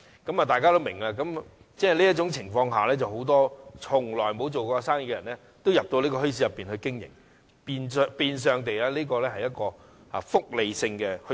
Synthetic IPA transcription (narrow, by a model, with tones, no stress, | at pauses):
kɐ˨˥mɐ˨t̪aː˨jkaː˥t̪o˥wmɪ˨˩ŋlaː˧kɐ˨˥m | t͡sɛː˥˩˨liː˥ɐ˥t̚t͡ʃʊ˨˥ŋt͡sʰɪ˨˩ŋfɔː˧ŋɦaː˨˩lɛː˥t͡sɐ˨who˨˥wt̪ɔː˥t͡sʰʊ˨˩ŋlɔː˨˩jmo˨˧wt͡so˨wkɔː˧saː˥ŋji˨˧kːɛ˨ɐ˨˩nɛ˥ | t̪o˥wjɐ˨p̚t̪o˧wliː˥kɔː˧ɦɵ˥ɥs̬iː˨˥jɐ˨pːiː˨nhɵ˧jkɪ˥ŋjɪ̰˨˩ŋ | piː˨nspiː˨˧ns̬œː˨˧ŋt̪e˨jlaː˧liː˥kɔː˧lɛː˥hɐ˨jːɐ˥t̚kɔː˧ | a̰ː˨fʊ˥k̚le˨jsɪ˧ŋkɛː˧hɵ˥